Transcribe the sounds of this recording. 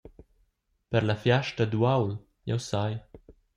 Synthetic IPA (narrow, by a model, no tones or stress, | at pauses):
pəɾlafjaʃtad̪uawl | jawsaj